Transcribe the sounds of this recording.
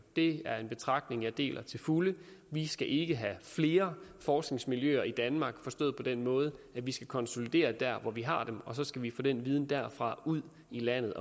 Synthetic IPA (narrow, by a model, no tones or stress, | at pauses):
d̥e̝æɐe̝nb̥e̝t͡sʰʁɑ̈ɡ̥d̥ne̝ŋæd̥e̝̰ːlʔɐt͡sʰe̝lfuləʋisɡ̥æʔe̝ɡ̥əɦæfle̝ːɐfɒːsɡ̥ne̝ŋsmiljø̰ːɐid̥ænmɑ̈ːɡ̥fɒ̽sd̥ɔ̰ːð̩ˠpʰɒ̽d̥enmɔ̽ːð̞̩ˠəæʋisɡ̥ækʰɒ̽nso̝lid̥e̝̰ːɐd̥æɐ̰ʋɒʋiɦɑ̈d̥emɒ̽sɒ̽sɡ̥æʋifɔ̰̽ːd̥enʋiːð̞ˠn̩d̥æɐ̰fʁɑ̈uð̞̰ˠ | ilæn̰ð̞̩ˠɒ